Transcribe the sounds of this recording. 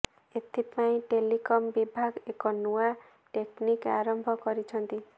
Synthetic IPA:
et̪ʰipaĩʈelikɔmbibʱaɡekɔnua | ʈeknika̰ɾɔmbʱɔkɔɾit͡ʃʰɔnt̪i

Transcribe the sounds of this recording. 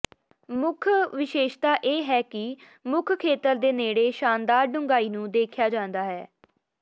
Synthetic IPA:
mʊkʰʋɪʃeːʃt̪aːʔeːɦɛːkɪ | mʊkʰkʰeːt̪əɾd̪eːneːɽeːʃaːnd̪aːɾɖʊŋɡaːiːnũːd̪eːkʰjaːd͡ʒãːnd̪aːɦɛː

